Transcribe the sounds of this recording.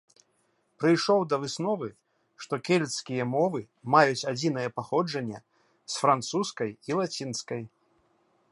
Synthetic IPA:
pɾɨjʂɔwd̪ɐvɨsnɔvɨ | ʂt̪ɔkʲɛlʲɛt̪skʲijɐmɔvɨ | majut͡sʲad͡zʲinɐjɛpaxɔd͡ʐɐnʲːɛ̰ | sfɾant̪suskɐjilˠat͡sʲinskɐj

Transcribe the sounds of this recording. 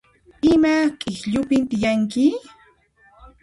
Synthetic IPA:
ɪmakʼɪxʎʊpɪnt̪ɪjaŋkɪ

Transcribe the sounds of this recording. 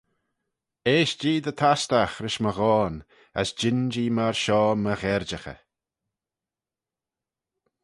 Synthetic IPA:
eːʃd͡ʒiːd̪ət̪ʰast̪axɾɪʃməɣɔːn | ə̰sd͡ʒɪnd͡ʒiːmaɹʃɔːməɣɛɾd͡ʒəxə̰

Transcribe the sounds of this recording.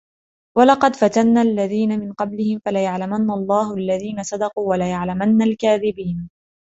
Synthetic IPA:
walɑqɑd̪fat̪anːaːʔalːaðiːnamɪnqɑblɪhɪmfalajaʕlamanːaɑlˤːɑːhʊʔalːaðiːnasˤɑd̪ɑquːwalajaʕlamanːalkaːðɪbiːn

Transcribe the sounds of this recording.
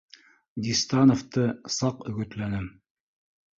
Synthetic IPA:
d̪ʲist̪ɑnoft̪ɤsɑqɵ̆ɡɵ̆t̪lænɘm

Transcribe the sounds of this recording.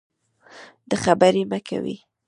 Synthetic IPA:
d̪̥əxabaɾimakʰa̰wḭ

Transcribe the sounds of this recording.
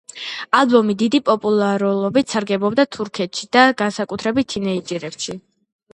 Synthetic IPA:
alˠbɔmid̪id̪ipʼɔpʼulˠaɾulˠɔbit̪saɾɡɛbɔbd̪at̪ʰuɾkʰɛt̪ʃid̪̥aɡansakʼut̪ʰɾɛbit̪ʰːinɛid͡ʒiɾɛbʃi

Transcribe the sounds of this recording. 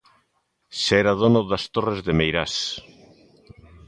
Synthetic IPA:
sɛɾaðonoðast̪orezðemejɾas

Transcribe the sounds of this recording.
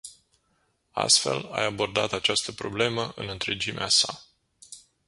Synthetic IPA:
a̰st̪fe̞̰la̰jabo̞rd̪at̪at͡ʃast̪əpɾo̞ble̞məʔɨ̰nɨnt̪ɾed͡ʒimeasa

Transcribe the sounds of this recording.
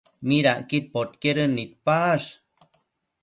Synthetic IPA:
miɾaʔkit̪̚pot̪keɾənit̪̚paʂ

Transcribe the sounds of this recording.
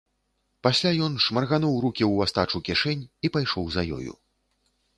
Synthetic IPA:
pasʲlʲajɔnʂmɐrɣanɔwɾukʲiwast̪at͡ʂukʲiʂɛnʲipajʂɔwzajɔ̰jṵ

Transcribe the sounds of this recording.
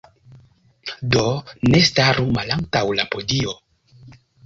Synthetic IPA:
do̞ne̞staɾumalaŋtawlapo̞dio

